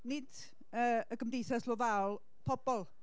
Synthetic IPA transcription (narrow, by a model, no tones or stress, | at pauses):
nɪd | əəɡəmdejθaslˠɔvaɔlˠ | pʰɔbɔlˠ